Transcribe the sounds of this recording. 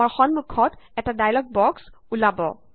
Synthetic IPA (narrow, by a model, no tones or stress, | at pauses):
aɹxɔnmukʰːɔtɛtadajlɔɡ̚bɔks | ulabɔ̰